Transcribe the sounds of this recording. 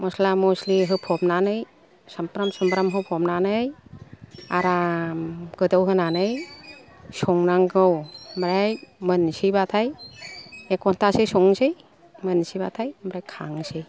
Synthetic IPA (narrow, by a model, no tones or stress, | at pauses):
mɔslamɔsliɦɯpʰɔmnanɯj | sampɾamsɔmpɾamɦɯpʰɔmnanɯj | aɾamɡ̥ɯdɔwɦɯnanɯj | sɔŋnaŋɡɯwmɾajmɯnsibatʰaj | ekɔntʰasesɔŋsɯj | mɯnsibat̪ʰajmɾajkʰaŋsij